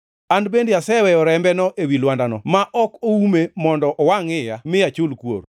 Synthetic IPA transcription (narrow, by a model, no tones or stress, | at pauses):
andbendɪasɛwɛjɔɾɛmbɛnɔʔewilwandanɔmaʔɔkoumemɔndɔʔɔwaŋɪjamɪjat͡ʃʊlkwo̰ɾ